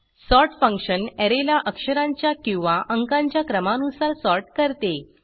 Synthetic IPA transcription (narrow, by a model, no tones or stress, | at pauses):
sɔɾʈfə̃ŋkʂənɛɾelaʔəkʂəɾãɲt͡ɕjakĩw̃ʋaʔəŋkãɲt͡ɕjakɾəmanusaɾsɔɾʈkəɾt̪e